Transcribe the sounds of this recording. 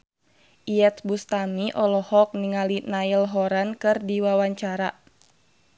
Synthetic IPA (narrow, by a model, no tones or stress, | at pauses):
ʔiɛt̪̚bust̪amiʔɔlɔhɔk̚niŋalinailɦɔɾankɨrdiwawaɲt͡ʃaɾa